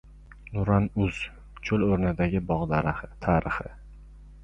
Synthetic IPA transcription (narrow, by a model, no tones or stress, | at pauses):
nʊɾanʊz̥ | t͡ʃʰoloɾnɪd̪aɡʲɪbɒʁd̪aɾt̪ʰaːɾɪχɪ